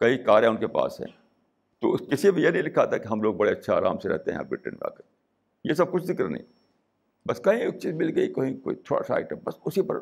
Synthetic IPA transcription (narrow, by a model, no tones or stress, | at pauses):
kɐɦikaːɾɦɛ̃ʊnkepa̰ːsɦɛ̰̃ː | t̪o̰skɪsibijenɐ̃ɦĩlɪkʰːat̪akeɦɐmloːɡ̚bɐɽeɐtːʃʰaa̰ːɾa̰ːmseɾɛ̰ɦt̪eɦɛ̰̃bɪ̰ʈːɪ̰nba̰ːke | jes̬ɐb̚kʊt͡ʃʰzɪkəɾnə̰ḭ̃ | bɐskɐɦĩeːk̚t͡ʃiːzmɪlɡɐikɐɦĩkoːit̪ʰoːɽa̰sa̰ːɪʈɛbɐsʊsipɐ̰ɾ